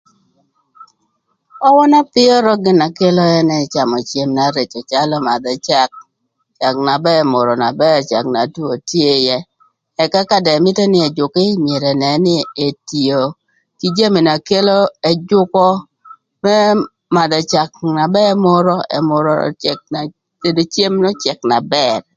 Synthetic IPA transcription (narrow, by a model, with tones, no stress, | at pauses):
ɔ˦wɔ˦na˦pɪ˦ɔ˦ɾɔ˦ɡɪ˨na˨ke˦lɔ˦ɛ˦nɛ˦˨t͡ʃa˨mɔ˨t͡ʃe˨mna˨˦ɾe˨t͡ʃɔ˨t͡ʃa˦lɔ˦ma˨d̪ɔ˨t͡ʃa˦k̚ | t͡ʃa˨k̚na˨bɛ˦ɛ˨mʊ˨ɾɔ˨na˨bɛ˦˨t͡ʃa̰˨kna˨tu˦o˨tje˦jɛ˦ | ɛ˨ka˦ka˦dɛ˨mɪ˦tɛ˦nɪ˦ɛ˨d͡ʒʊ˨kɪ˦mje˨ɾɛ˨nɛ˨˦nɪ˦e˨ti˨o˨ | ki˦d͡ʒa˦mi˨na˨ke˦lo˦ɛ˦d͡ʒʊ˦kɔ˦ | mɛ˦ | ma˨d̪ɔ˨t͡ʃa˨k̚na˨bɛ˦mʊ˦ɾɔ˦ɛ̰˨mʊ˦ɾɔ̰˦t͡ʃɛ˨k̚a˨ | te˨do˨t͡ʃje˦mnɔ˦t͡ʃɛ˨kna˨bɛ˦˨r